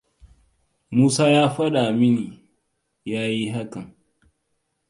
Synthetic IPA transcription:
muː˦saː˦jaː˦ɸɐ˦ɗa˨mɪ˦niː˨ | jaː˦ji˦ɦa˦kɐ˨ŋ

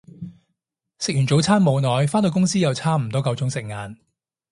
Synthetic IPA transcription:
sɪ˨k̚y˨˩nt͡so˨˥wt͡sʰaː˥nmo˨˧wnɔː˨jfaː˥nt̪o˧kʊ˥ŋsiː˥jɐ˨˧wt͡sʰaː˥m̩˨˩t̪ɔː˥kɐ˨˧wt͡ʃʊ˨˥ŋsɪ˨k̚ŋaː˨˧n

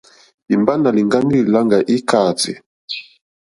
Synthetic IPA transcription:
i˨mba˦na˨li˨ŋɡa˦ŋɡi˦li˨la˦ŋɡa˨ʔi˦ka˨tḭ˨

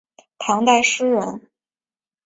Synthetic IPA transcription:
t̪ʰɑ˧˥ŋt̪a˥˧ɪʂɻ̩˥ɻə̰˧˥n

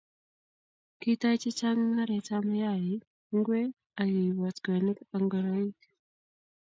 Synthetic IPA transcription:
ki˦ta˦t͡ʃi˦t͡ʃa˦ŋŋa˦ɾɛ˨ta˦ma˦ja˦˨ji˨ | ŋɡwe˦ | a˨ji˨wa˨tɡa˨ni˦ka˨ŋɡɔ˨ɾa˦i˦k

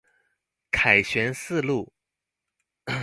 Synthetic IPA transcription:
kʰa˨˩ɪɕɥɛ˧˥nsɹ̩˥˧lu˥˩

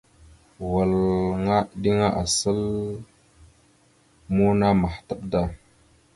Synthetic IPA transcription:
wa˨lŋa˦ɗi˦ŋa˦ʔa˨sə˦l | mu˦na˦ma˨hta˦ɓ̚da˦˨

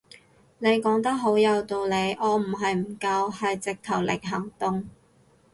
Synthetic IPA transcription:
ne˨˧jkɔː˨˥ŋt̪ɐ˥k̚ɦo˨˥wjɐ˨˧wt̪o˧wle˨˧jʔɔː˨˧m̩˨˩ɦɐ˨jm̩˨˩kɐ˧whɐ˨jt͡sɪ˨k̚t̪ʰɐ˨˩wlɪ̰˨k̚ɦɐ˨˩ŋt̪ʊ˨˧ŋ

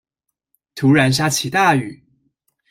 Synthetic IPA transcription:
t̪ʰu˧˥ɻa˧˥nʂ̬a˥t͡ɕʰi˨˩t̪a˥˩y˨˩˦

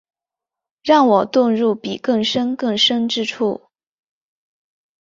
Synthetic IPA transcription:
ɻɑ˥˩ŋwɔ˨˩t̪ʊ˥˧ŋɻu˥˩pi˨˩kɤ˥˩ŋʂə˥nkɤ˥˩ŋʂə˥ŋʈ͡ʂɻ̩˥ʈ͡ʂʰu˥˩

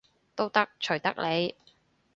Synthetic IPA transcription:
t̪o˥wt̪ɐ˥k̚t͡ʃʰɵ˨˩ɥt̪ɐ˥k̚le˨˧j

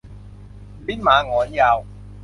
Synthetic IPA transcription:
bi˦˥nmaː˨˧˦ŋɔː˨˦njaː˧w

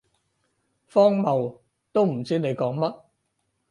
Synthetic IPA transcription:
fɔː˥ŋmɐ˨w | t̪o˥wm̩˨˩t͡siː˥ne˨˧jkɔː˨˥ŋmɐ˥t̚

